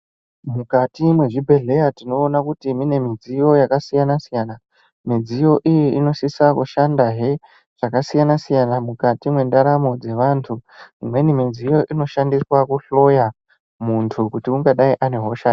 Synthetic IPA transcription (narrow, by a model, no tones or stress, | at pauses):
mukatimwe̞ʐibʱe̞ɮe̞jatino̞ːnakutimine̞mid͡zijo̞jakasijanasijana | mid͡zijo̞ʔijiino̞sisakuʃandaɦe | ʐ̥akasijanasijanamukatimwe̞ndaɾamo̞d͡ze̞ʋantʰuimwe̞nimid͡zijo̞ʔino̞ʃandiswakuɬo̞ja | muntʰukutiuŋɡaɗaiʔane̞ɦoʃa